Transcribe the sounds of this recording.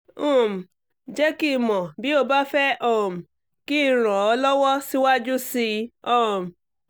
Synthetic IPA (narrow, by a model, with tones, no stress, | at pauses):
ũ˦˨m̩˨ | d͡ʒɛ˦ki˦˨mɔ̃˨bi˨˦o˦˧ba˦fɛ˦ʔɔ̃˦˨m̩˨ | ki˦˨ɾ̃ɔ̃˨ɔ˧lɔ˦wɔ˦si˦wa˦d͡ʒu˦si˧ɔ˦˨m̩˨